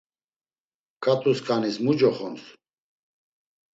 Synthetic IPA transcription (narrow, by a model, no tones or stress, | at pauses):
kʰʼat̪ʼuskʼanismud͡ʒɔχɔns